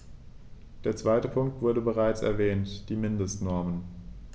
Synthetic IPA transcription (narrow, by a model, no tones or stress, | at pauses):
d̥eːɐt͡sv̥aɪtəpʰʊŋk̚tv̥ʊɐdəbəʁ̞aɪt͡sɛ̰ɐvɛːntd̥iːmɪndəstnɔɐmən